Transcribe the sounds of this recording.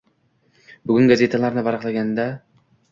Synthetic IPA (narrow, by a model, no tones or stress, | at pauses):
bʊɡʲʊnɡaze̞t̪ʰalaɾnɪbaɾaqlˠaɡʲand̪a